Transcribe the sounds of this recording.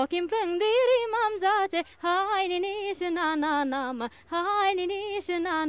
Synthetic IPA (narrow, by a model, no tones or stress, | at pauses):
ɔkimpɨŋd̪iɾimamzat͡ʃehajninisɨnananama | hajninisɨnan